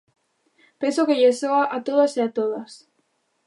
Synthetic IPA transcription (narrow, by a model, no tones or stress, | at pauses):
pensokeʎesoaʔat̪oðaseat̪oðas